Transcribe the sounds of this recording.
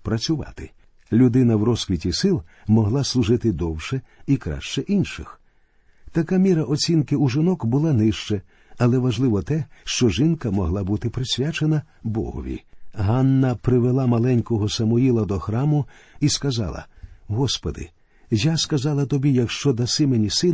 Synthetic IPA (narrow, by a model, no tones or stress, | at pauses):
pɾɐt͡sʲʊʋɑ̰t̪ɪ | lʲʊd̪ɪnɐwɾɔskʋʲitʲisɪlˠ | mɔɦlˠɑslˠʊʒɪt̪ɪd̪ɔwʃɛikɾa̰ʃt͡ʃɛʔinʃɪ̰x | t̪ɐkamʲiɾɐʔɔt͡sʲinkɪuʒɪnɔkbʊlˠanɪʃt͡ʃɛ | ɐlˠɛʋɐʒlˠɪʋɔt̪ɛʃt͡ʃɔʒɪnkɐmɔɦlˠabut̪ɪpɾɪsʲʋʲjat͡ʃenɐbɔ̰ɦɔ̰ʋʲḭɦɑnːɐpɾɪʋelˠamɐlˠɛnʲkɔɦɔsɐmʊilˠɐd̪ɔxɾɑmʊ | iskɐzɑ̰lˠɐ̰ɦɔspɔd̪ɪ̰ | jaskɐzɑlˠɐt̪ɔbʲijɐkʃt͡ʃɔd̪ɐsɪmenʲisɪ